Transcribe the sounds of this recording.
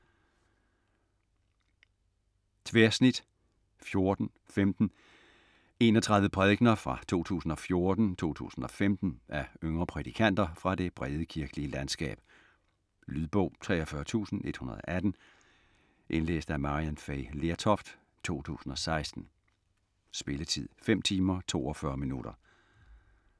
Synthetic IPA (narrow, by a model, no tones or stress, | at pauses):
t͡sʰʋeɐsnid̥ | fjo̝ɐd̥n̩ | femd̥n̩ | e̝̰ːnɒ̽t͡sʰʁɑ̈ð̞ˠʋ̩əpʰʁɛðˠɡ̥nɐfʁɑ̈t͡sʰo̝̰ːt͡sʰṵːsn̩ɒ̽fjo̝ɐd̥n̩t͡sʰo̝̰ːt͡sʰṵːsn̩ɒ̽femd̥n̩ʔæøŋʁɐpʰʁɛd̥ikʰæn̰d̥ɐfʁɑ̈d̥e̝b̥ʁɛð̞ˠəkʰiɐɡ̥əliəlænsɡ̥ɛ̰ːb̥ | lyðˠb̥ɔ̽ʊ̰t͡sʰʁɛ̰ːɒfɶːɐt͡sʰṵːsn̩e̝d̥hunɐðˠɒ̰ʔæd̥n̩ | ʔe̝nlḛːsd̥æmɑ̈ʁiænfeɪle̝ɐt͡sʰɒfd̥ | t͡sʰo̝̰ːt͡sʰṵːsn̩ɒ̽sɑ̈ɪsd̥n̩ | sb̥e̝lət͡sʰið̞̰ˠfem̰t͡sʰiːmɐt͡sʰo̝̰ːɒfɶːɐminuɾ̥ɐ